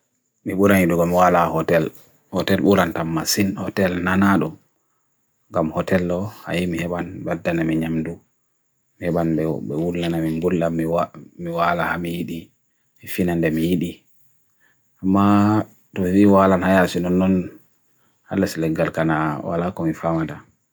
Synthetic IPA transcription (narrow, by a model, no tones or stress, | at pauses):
miɓuɾaniduɡɔmiwalahɔtɛl | hɔtɛlɓuɾantamːasinhɔtɛlnanaɗɔm | ŋɡamhɔtɛlːɔha̰jimihɛɓanbadːanamiɲamdu | mihɛɓanɓɛbɛwulːanamimɡulːamimiwalahamijiɗi | mifinandɛmijiɗi | ʔamːa | tɔfiwalanhajasinɔnːɔn | ha̰lːaslɛɡːalkanawa̰lakɔmifamata